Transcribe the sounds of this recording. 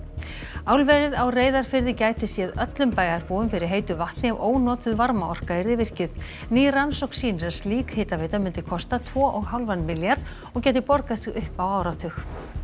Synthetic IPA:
aːwlvɛɾɪðawreːjðaɾ̥fɪɾðɪcaːjt̪ɪsjɛðœt̪lʏmpaːjaɾpuːʏmfɪɾɪɾ̥ɦeːjt̪ʏvaht̪nɪavʔoːwnɔːt̪ʏðvaɾmaɔr̥kaɪɾðɪvɪr̥cʏð̥ | niːransowksiːnʏɾḁst̪liːkheːt̪aveːjt̪amʏnt̪ɪkʰɔst̪at̪ʰvɔːʔɔɣɦawlvanːmɪljaɾð | ɔɣcɛːjt̪ɪpɔɾkast̪ɪɣʏhpawaːwɾat̪ʰʏx

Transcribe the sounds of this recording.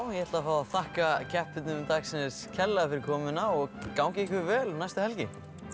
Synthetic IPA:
wjɛhɛɾt̪lafaːwaðθahkacʰɛht̪ɪt̪nʏmt̪aksɪnscʰɛlːafɪɾɪɾkʰɔːmʏnaɔɣkawŋcɪihkvɪɾvɛːlnajst̪ahɛlcɪ

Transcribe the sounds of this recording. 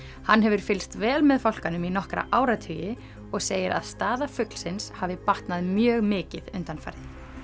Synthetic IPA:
hanːɦɛvʏɾ̥fɪlst̪vɛːlmɛðfawl̥kanʏminɔhkɾa̰ʔaːwɾat̪ʰʏjɪ | ɔɣseːjɪɾa̰ðst̪aːðafʏk̪l̥sɪnshavɪpaht̪naðmjœːɣmɪːcɪðʏnt̪anfa̰jɾðɪ

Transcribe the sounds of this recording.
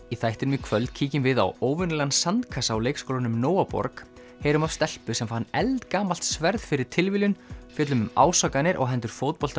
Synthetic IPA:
iθajht̪ɪɾʏmɪkʰvœlt̪̚cʰiːcɪmvɪða̰woːwvʏnlɛɣansant̪kʰasaːwleːjkskowlanʏmnoːwapɔ̰ɾk | heːjɾʏmav̥st̪ɛl̥pʏsɛmfanɛlt̪kaːmal̥t̪svɛɾðfɪɾɪɾ̥t̪ʰɪlvɪlʏnfjɛːt̪lʏmʏma̰ːwsakanɪɾʔɔ̰ɣɦɛnt̪ʏɾ̥foːwt̪̚pɔl̥t̪

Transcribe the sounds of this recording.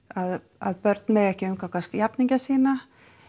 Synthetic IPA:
að | aðpœɾt̪nmɛɣɛhcɪʏmkaŋkvast̪japniɲcasiːna

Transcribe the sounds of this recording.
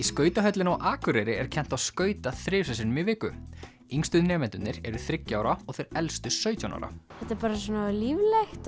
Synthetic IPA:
iskœːɥt̪aɦœt̪lɪnɔɣʔaːkʏɾɛɾɪɛɾ̥cʰɛn̥t̪aðskœːɥt̪aθɾɪːfsɛsɪnmɪvɪːkʏ | iŋst̪ʏðnɛːmɛnt̪ʏnnɪɾɛɾʏθɾɪcːaːwɾaɔɣθejɾɛlst̪ʏsœɥt̪jawna̰wɾa̰θɛt̪aɾpaːɾas̬ɔːnalivlext̪

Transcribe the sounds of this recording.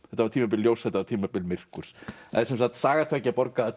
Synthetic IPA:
θɛht̪avaɾt̪ʰiːmap̬ɪljowsθɛht̪avaɾt̪ʰiːmapɪlmɪr̥kʏɾ̥sɛ̰ðsɛmsaxt̪saːɣat̪ʰvɛcːɪapɔɾka

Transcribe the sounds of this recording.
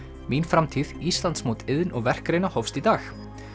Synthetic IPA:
minfɾamt̪ʰiðist̪lant̪smowt̪ɪðɪnɔɣvɛr̥kɾejnahɔfst̪it̪aːx

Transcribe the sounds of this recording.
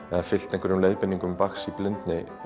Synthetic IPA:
ɛðafɪl̥t̪ɛŋkvɛɾʏmlejðpɪnːiŋkʏmpaksiplɪnt̪nɪ

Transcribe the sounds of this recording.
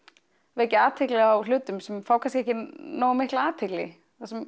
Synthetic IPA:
veɛcːɪaːt̪ʰɪklɪawl̥ʏːt̪ʏmsɛmfawkʰanskɛhcɪnoːwmɪhklaaːt̪ʰɪklɪ̰ | θasɛm

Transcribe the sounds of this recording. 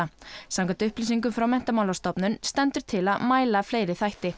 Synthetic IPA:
asamkant̪ʏhplis̬iŋk̬ʏmfɾawmɛn̥t̪amawlawst̪ɔpnʏnst̪ɛnt̪ʏɾ̥t̪ʰɪlaðmaːjlafleːjɾɪθajht̪ɪ

